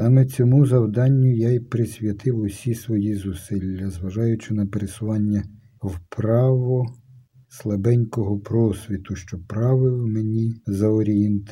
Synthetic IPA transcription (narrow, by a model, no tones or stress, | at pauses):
ɑmɛt͡sʲɔmuzɐwd̪ɑnʲːʊjajpɾɪsʲʋʲjɐt̪ɪwʊsʲisʋɔjizʊsɪlʲːɐzʋɐʒɑjʊt͡ʃɪnɐpeɾesʊʋɑnʲːɐ | wpɾɑʋɔ | slˠɐbɛnʲkɔɦɔpɾɔsʲʋʲit̪ʊʃt͡ʃɔpɾɑʋɪwmenʲizɐɔɾʲient̪